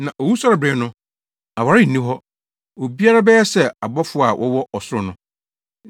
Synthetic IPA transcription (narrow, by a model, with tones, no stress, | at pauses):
nã˨ʔo˨wu˦sɔ˦ɾɪ˨bɾɪ̃˨˦nʊ̃˦ | a˨wa˨ɾɪ˦n̩ː˨ĩ˦ɦɔ˦ | o˨bi˦a˦ɾa˦bɛ˦ɛ˦sɛ˦˨a˨bɔ˦fʊ˦a˨wʔɔ̰˦wɔ˦ʔɔ˨sʊ˦ʊ˦˨nʊ̃˦